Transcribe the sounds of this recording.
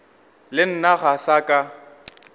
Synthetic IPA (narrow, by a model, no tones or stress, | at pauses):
lɪn̩naɣasakʼa